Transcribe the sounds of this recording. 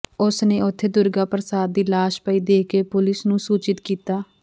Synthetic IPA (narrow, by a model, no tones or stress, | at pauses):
ʊsneːʊt̪ʰːeːd̪ʊɾɡaːpɾəsaːd̪ːiːlaːʃpəiːd̪eːkeːpʊlɪsnũːsuːt͡ʃɪt̪kiːt̪aː